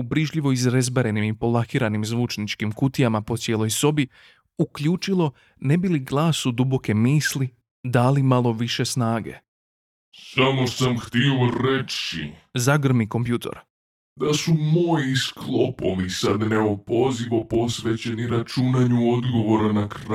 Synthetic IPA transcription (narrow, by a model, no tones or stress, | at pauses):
ubɾiʒʎiʋo̞izɾezbaɾe̞nimipo̞lˠaxiːɾanimzʋuːt͡ʃnit͡ʃkimkut̪ijamapo̞t̪sje̞ːlˠo̞jso̞bi | ukʎuːt͡ʃilˠo̞ | ne̞biliɡlˠaːsud̪ubo̞ke̞miːsli | d̪aːlimalˠo̞ʋiʃe̞snaːɡe̞̰ | samo̞samxt̪ioɾet͡ʃḭzaɡr̩miko̞mpjuːt̪ʰo̰ɾ | d̪asumojisklˠopo̰lisad̪neopo̞ziʋopo̞sʋe̞t͡ɕe̞niɾat͡ʃunaɲuo̞d̪ɡo̞ʋo̞ɾanakɾ